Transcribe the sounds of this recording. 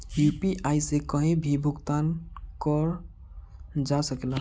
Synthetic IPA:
jupiʔajsekɔɦẽbʱibʱukt̪ankɔɾ | d͡ʒasəkela

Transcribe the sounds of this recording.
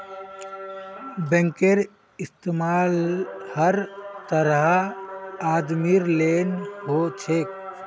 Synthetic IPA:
bɛ̃ŋkeɾ | ɪst̪eːmaːlhəɾt̪əɾɦa | aːd̪miɾleːnɦot͡ʃʰek

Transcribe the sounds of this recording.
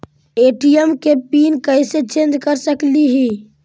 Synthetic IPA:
eʈijəmkepinkəjset͡ʃẽnd͡ʒkəɾsəkliɦi

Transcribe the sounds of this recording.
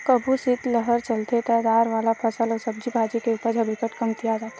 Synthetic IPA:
kəbʱusɪt̪ləɦəɾt͡ʃəlt̪et̪ɛd̪aːɾʋaːlapʰɐsəlɔːsɐb̚d͡ʒibʱaːd͡ʒikeupəɾd͡ʒʱɐbɪkəʈkə̃mt̪ijad͡ʒaːt̪a

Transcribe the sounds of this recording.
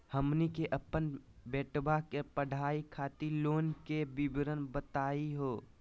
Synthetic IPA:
həmnikeʔəpənbɛːʈbakepəɽʱaːikʰaːt̪iloːnkebɪbɾənbət̪aːiɦoː

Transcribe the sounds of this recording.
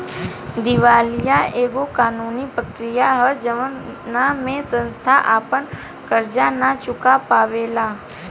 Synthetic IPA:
d̪ɪʋaːlijaeːɡokaːnuːnipɾəkɾɪjaɦəd͡ʒəʋənamẽsə̃nst̪ʰaʔaːpən | kəɾd͡ʒanat͡ʃʊkapaːʋeːlaː

